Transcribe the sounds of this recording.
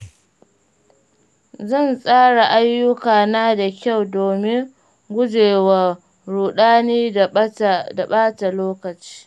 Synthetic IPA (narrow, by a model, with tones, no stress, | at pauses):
zɐ˦˨nsʼaː˦ɽa˨ʔa˦jːʊ˦kaː˨naː˦da˨kʲa˦˨wdoː˨mɪ˦ŋ | ɡʷʊ˦d͡ʒeː˨wa˨ | ɽuː˨ɗaː˦niː˦ | da˨ɓaː˦ta˨loː˦kɐ˨t͡ʃi̥ː˦